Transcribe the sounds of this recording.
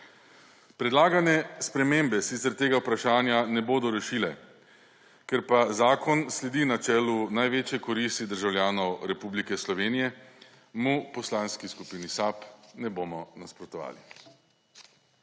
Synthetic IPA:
pɾɛd̪laːɡanɛspɾɛmembɛsit̪sɛɾt̪eːɡawpɾaʃaːnjanɛboːd̪ɔɾɛʃiːlɛ | kɛɾpazaːkɔnslɛd̪inat͡ʃɛːlunajʋeːt͡ʃjɛkɔɾist̪id̪əɾʒawlʲjaːnɔwɾɛpublikɛslɔʋeːnijɛ | mupɔslaːnskiskupiːnisapnɛboːmɔnaspɾɔt̪ɔʋa̰ːli

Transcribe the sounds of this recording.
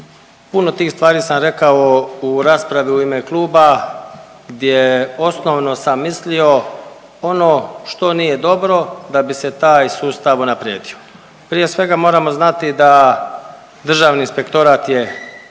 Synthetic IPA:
puno̞t̪iːxst̪ʋaːɾiːsamɾe̞kaouɾaːspɾaʋiuimeklˠuːba | ɡd̪jeo̞sno̞ʋno̞samːislio̞ | o̞noːʃt̪o̞nije̞d̪o̞bɾo̞d̪abise̞t̪aːjsuːst̪aʋunapɾjḛːd̪io̞ | pɾije̞sʋe̞ɡamoːɾamo̞znat̪id̪a | d̪r̩ʒaːʋniːnspe̞kt̪o̞ɾaːt̪je̞

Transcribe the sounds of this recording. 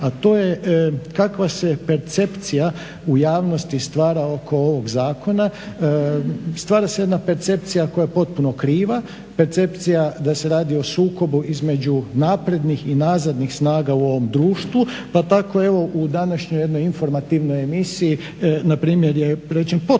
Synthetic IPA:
at̪o̞ːjekakʋase̞pe̞ɾt̪se̞pt̪sija | ujaːʋno̞st̪ist̪ʋaːɾao̞kʰo̞o̞ʋo̞ɡzaːko̞na | st̪ʋaːɾasejed̪nape̞ɾt̪se̞p̚t̪sijakojapo̞t̪̚puno̞kɾiːʋa | pe̞ɾt̪se̞pt̪sijad̪ase̞ɾaːd̪io̞suːko̞buʔizme̞d͡ʒunaːpɾe̞d̪nixinaːzad̪nixsnaːɡauo̞ʋo̞md̪ɾuːʃt̪ʋu | pat̪ako̞e̞ʋo̞ʔud̪anaʃɲoje̞d̪nojinfo̞ɾmat̪iʋno̞jemisii | napɾiːmjeɾjeɾet͡ʃenpo

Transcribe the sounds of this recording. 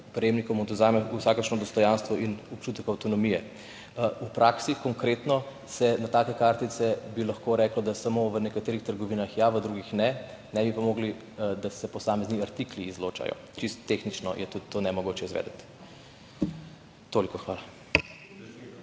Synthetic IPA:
pɾɛjeːmnikɔmɔt̪ɔzaːmɛusaːkəɾʃnɔd̪ɔst̪ɔjanst̪ʋɔʔinɔpt͡ʃuːt̪əkawt̪ɔnɔmijɛ | upɾaːksixkɔŋkɾet̪nɔ | sɛnat̪aːkɛkaːɾt̪it̪sɛbilɐxkoɾɛklɔd̪asamoʋənɛkat̪eːɾixt̪əɾɡɔʋiːnaxjaʋəd̪ɾuɡixnɛ | nɛbipamoːɡli | d̪asɛpɔsaːmɛzniaɾt̪ikliːzlo̰ːt͡ʃa̰jɔ̰ | t͡ʃist̪ːexnit͡ʃnɔ̰jɛt̪ut̪ːoːnɛmɔɡoːt͡ʃɛizʋɛ̰ːd̪ət̪ | t̪olikɔxʋaːla

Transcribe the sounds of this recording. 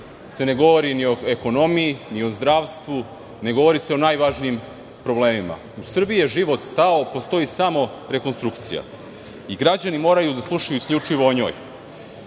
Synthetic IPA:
se̞ne̞ɡo̞ʋo̞ɾinio̞e̞ko̞no̞mijiniozd̪ɾaʋst̪ʋu | ne̞ɡo̞ʋo̞ɾise̞o̞naːjʋaʒniːm | pɾo̞ble̞ːmima̰ | usr̩biijeʒiʋo̞t̪st̪aopost̪o̞jisamo̞ | ɾe̞ko̞nst̪ɾukt̪sḭja̰ | iɡɾad͡ʑanimo̞ːɾajud̪aslˠuʃajuiskʎʲut͡ʂiʋo̞ːɲo̞̰ːj

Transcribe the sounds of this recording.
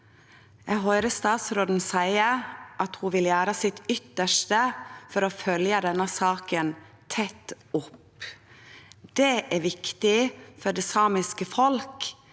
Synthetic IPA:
ɛɦɔʏɾəst̪ɑːt̪sɾoːd̪n̩sæɪəɾʔɑt̪huʋɪljæːɾəsɪt̪ʏt̪ːəʂʈəfɔɾoːfœljəd̪ɛnːəsɑːkən | t̪ʰɛt̪ː | ʊp | d̪̥ɛʔæɾʋɪkt̪ɪfɔɖɛːsɑːmɪskəfɔlk

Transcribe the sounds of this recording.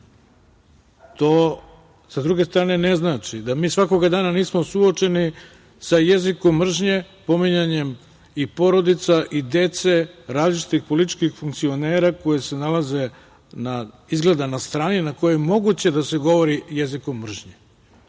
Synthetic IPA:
t̪oː | sad̪ɾuɡe̞st̪ɾaːne̞neznaːt͡ʃid̪amiːsʋako̞ɡad̪aːnaniːsmosuo̞t͡ʃe̞ni | sajeziko̞mːr̩ʒɲe̞ | po̞miɲaɲe̞m | ipo̞ɾo̞d̪it̪saʔid̪e̞t̪se̞ɾaːzlit͡ʃi̥t̪ixpolit̪̬i̥t͡ʃkixfuŋkt̪sio̞neːɾako̞jese̞nalaze̞ | na | izɡle̞d̪anast̪ɾaːninako̞jeemo̞ɡut͡ɕe̞d̪ase̞ɡo̞ʋo̞ɾijezikomːr̩ʒɲe

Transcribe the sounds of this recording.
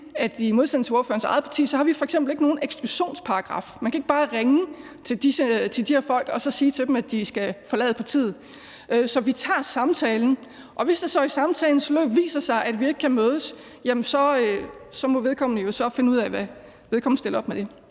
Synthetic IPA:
æddimo̝ð̞ˠsen̰t͡sʰe̝o̝ɐfø̰ːɐnsɑ̈ɪð̩ˠpʰɑ̈t͡sʰḭːsɒhɑ̈ʋifɒ̽eɡ̥semb̥l̩e̝ɡ̥əno̝ːn̩eɡ̥sɡ̥luɕo̝̰ːnspʰɑ̈ɑɡ̥ʁɑ̰̈fmænkʰæe̝ɡ̥̚b̥ɑ̈ːʁeŋə | t͡sʰe̝ld̥isət͡sʰeld̥iheɐfɒ̽l̰ɡ̥ɒ̽sɒ̽siːt͡sʰe̝d̥em̩æd̥isɡ̥æfɒ̽lɛ̰ːð̩ˠpʰɑ̈t͡sʰḭð̩ˠ | ʔøsɒ̽ʋit͡sʰɑ̰̈ːsɑ̈mt͡sʰɛːln̩ | ʔɒ̽ʋe̝sd̥esɒ̰isɑ̈mt͡sʰɛːln̩slø̰ːb̥ʋḭːsɐsɑ̈ɪʔæd̥ʋie̝ɡ̥̚kʰæmøːð̞ˠəs | jæmənsɒ̽øsɒ̽mɔ̽ʋeðˠkʰɒ̽m̰nəjo̝sɒ̽fe̝nuð̰ˠæɛʋæ | ʋeðˠkɒ̽mn̩sd̥e̝ləɒ̽b̥̚med̥e̝

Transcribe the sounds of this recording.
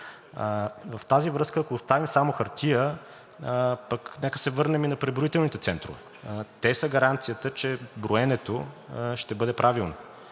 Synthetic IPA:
vɐft̪azivɾɤskəːkoːst̪avimsamoxɐɾt̪ʰijə | pəknɛkə̥sɛvɤɾnɛminɐpɾɛbɾoit̪ɛlˠnit̪ɛt̪sɛnt̪ɾo̰vɛ | t̪ɛsəɡɐɾant̪sijət̪ət͡ʃɛbɾoɛnɛt̪oʃt̪ɛbɤd̪ɛpɾʔavilˠno

